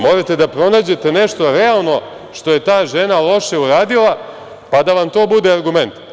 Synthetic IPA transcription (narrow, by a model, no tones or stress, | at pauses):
mo̞ɾet̪e̞d̪apɾo̞naːd͡ʑe̞t̪e̞ne̞ʃt̪o̞ɾealˠno̞ | ʃt̪o̞je̞t̪aːʒe̞nalo̞ʃe̞uɾaːd̪ilˠa | pad̪aʋamt̪o̞ːbud̪e̞aɾɡume̞nt̪